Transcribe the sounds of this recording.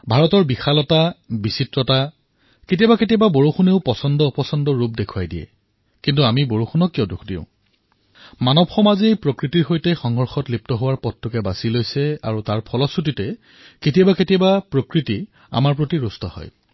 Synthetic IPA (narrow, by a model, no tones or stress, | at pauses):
bʱaɹɔtɔɹbixalɔtabisitɹɔta | ketijabaketijababoɹoxuneʊpɔsɔndɔupɔsɔndɔɹup̚dekʰuwajdijɛ̰ | kintuamiboɹoxʰunɔkːiɔdukʰdḭʊ̃ | manɔbxɔmaziejpɹokɹitiɹxojtɛxɔŋɦɔɹxɔtlip̚tɔɦowaɹpɔtʰːɔkɛbasilojsɛa̰ɹutaɹpʰɔlɔsutitɛ | ketijabaketijabapɹokɹiti | a̰maɹpɹotiɹustɔ̰hɔ̰j